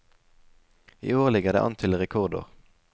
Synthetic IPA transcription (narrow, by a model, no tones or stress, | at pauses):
ḭːoːʁlɪɡəʁd̪ḛːʔɑ̰nt̪ʰɪlʁɛkʰɔʁd̪ʊ̰ʁ